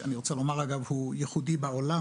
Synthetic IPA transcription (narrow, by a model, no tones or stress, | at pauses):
aniʁot͡salomaʁaɡavhujeχud̪ibaola